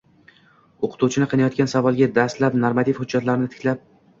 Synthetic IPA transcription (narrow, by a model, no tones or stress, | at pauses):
oqʰɨ̥t̪uwt͡ʃʰɪnɪqʰɨnajɒt̪kʲansavɒlˠɡʲad̪ast̪lapnoɾmat̪ʰifhʊd͡ʒːat̪laɾnɪt̪ʰɪ̥kʲlap̚